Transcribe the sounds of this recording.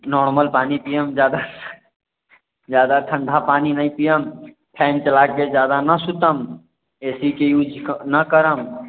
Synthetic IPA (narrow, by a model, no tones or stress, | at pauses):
nɔɾməlpanipijəmd͡ʒjad̪a | d͡ʒjad̪aʈʰə̃ɳɖʱapaninəjpijəm | pʰɛnt͡ʃəlaked͡ʒjad̪anəsut̪əm | esikejud͡ʒʱnəkəɾəm